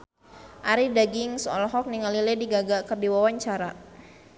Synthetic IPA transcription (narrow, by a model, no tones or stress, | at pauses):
ʔaɾidaɡiŋsɔ̰lɔɦɔk̚niŋalilɛdiɡaɡakərdiwawaɲt͡ʃaɾa